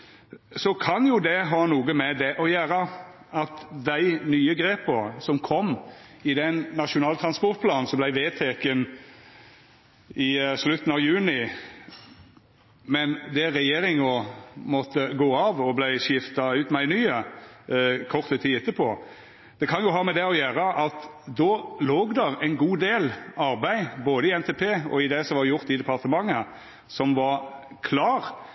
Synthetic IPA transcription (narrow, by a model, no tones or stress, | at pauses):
sɔkʰɑnjʊd̪ɛɦɑːnuːɡəmɛd̪ɛʔɔjæːɾə | ɑt̪d̪æɪnyːəɡɾeːpəsɔmkʰɔmɪd̪ɛnːɑʃʊnɑːlt̪ʰɾɑnspɔʁt̪̚pʰlɑːnn̩sɔmblæɪʋeːt̪ʰɛkən | ɪʂlʉt̪ːn̩ɑʋjʉːnɪ | mɛnd̪ɛʁɛjeːɾɪŋɔmɔt̪ːəɡoːɑːʋɔblæɪʃɪft̪ɑʉːt̪mæɪnyːə | kʰɔʁt̪ət̪ʰiːɪt̪ːəpʰoː | d̪̥ɛkʰɑnjʊɦɑːmɛd̪ɛɔjæːɾəʔɑt̪d̪oːloːɡd̪ɛʁɛɪnɡuːd̪eːlɑɾbæɪboːd̪əɪɛnt̪epʰeːɔ̰ɪd̪ɛsɔʋɑɾjʊʁt̪ɪd̪ɛpɑʁt̪əmɑŋːə | sɔmʋɑ | kʰlɑːʁ